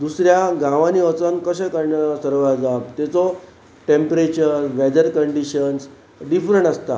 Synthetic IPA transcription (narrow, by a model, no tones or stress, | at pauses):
d̪usɾjaɡãʋãniʋət͡sənkəɕəkəɾɳasəɾʋad͡zab̚t̪ɛt͡sɔ | ʈempɾet͡ɕəɾʋɛd̪əɾkəɳɖiɕəns | ɖifɾəɳʈəst̪a̰